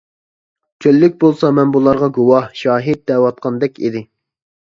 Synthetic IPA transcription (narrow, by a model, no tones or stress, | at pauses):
t͡ʃʲʰølːyk̚ʲbolˠsɑmɛnbulˠɑɾʁɑɡuwɑhʃɑːɦid̪̚d̪ɛwɑt̪̚qʰɑnd̪ɛkʲʰḭd̪ɪ